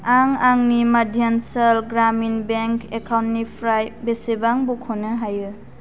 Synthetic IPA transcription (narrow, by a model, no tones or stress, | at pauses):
aŋaŋnimadʱjansɐlɡɾaminbeŋkekʰawntnipʰɾajbesebaŋbukʰonɯɦajɯ